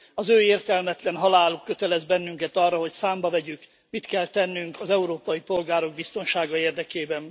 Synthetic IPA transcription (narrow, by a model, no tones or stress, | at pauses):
ɒzøːeːrt̪ɛlmɛt̪lɛnɦɒlaːlukːø̞t̪ɛlɛzbɛnːyŋkɛt̪ɒrːɒɦo̞csaːmbɒvɛɟyk | mit̪kɛlt̪ɛnːyŋkʰɒzɛuɾoːpɒjipo̞lɡaːɾoɡ̚bist̪o̞nʃaːɡɒeːrd̪ɛkeːbɛn